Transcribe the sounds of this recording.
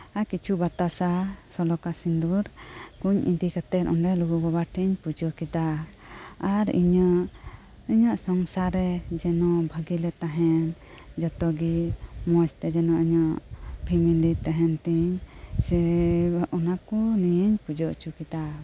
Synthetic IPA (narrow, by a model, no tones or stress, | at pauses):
akit͡ʃʰubat̪asasɔlɔkasind̪uɾkuɲḭd̪ikət̪ɛɾɔɳɖɛluɡubɔbaʈʰiɲpud͡ʒɔkɛd̪a | aɾḭɲaʔ | iɲaʔsɔŋsaɾɛd͡ʒɛnɔʔbʱəɡilɛt̪aɦɛn | d͡ʒɔt̪ɔɡimɔst̪ɛd͡ʒɛnɔʔiɲɔʔpʰimilit̪aɦɛnt̪iɲ | ɔnakɔnijəɲpud͡ʒɔʔt͡ʃukɛd̪a